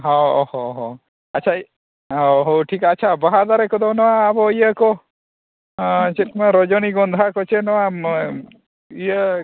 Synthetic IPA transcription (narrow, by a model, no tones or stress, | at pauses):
ɦɔ̰hɔɦɔ | att͡ʃʰa | ɦɔɦowʈʰikːt͡ʃʰabaɦad̪aɾɛkɔd̪ɔnɔwaːbɔijəkɔ | t͡ʃɛt̪maɾɔd͡ʒɔniɡɔnd̪ʱakɔt͡ʃɛnɔwa | ijə